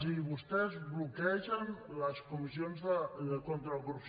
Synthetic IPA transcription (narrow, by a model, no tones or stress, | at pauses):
iβust̪ɛzβlukɛʒɐnləskumisijonzðəkont̪ɾalɣɾups